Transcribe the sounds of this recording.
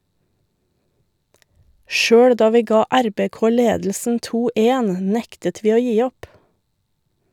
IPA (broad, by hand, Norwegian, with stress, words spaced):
ˈʃøːɽ ˈdɑː ˈʋiː ˈɡɑː ˈæɾbeːˌkoː ˈleːdl̩sn̩ ˈtuː ˈʔeːn ˈnɛktət ˈʋiː ˈoː ˈjiː ˈɔp